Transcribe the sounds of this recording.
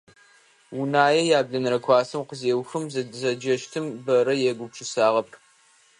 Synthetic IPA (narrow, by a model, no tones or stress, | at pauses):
wʊnaːjɛjaːbɮɐnɨɾɐkʷʰɑːsɨmqəzeːwxɨmzzɐd͡ʒɐʃtʰɨmbɐɾɐjɛɡʷʊpʈ͡ʂʰʼɨsaːʁɐpʰ